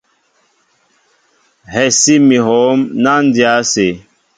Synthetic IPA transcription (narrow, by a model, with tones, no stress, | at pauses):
hɛ˨si˦mi˨ɦɔ˨˦mna˦n˦dja˦se˨